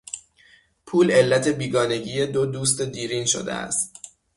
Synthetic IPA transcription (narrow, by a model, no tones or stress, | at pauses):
pʰuːle̞lːæt̪ʰe̞biːɡɒːne̞ɟiːjed̪od̪uːst̪e̞d̪iːɾiːnʃo̰d̪ḛæ̰st̪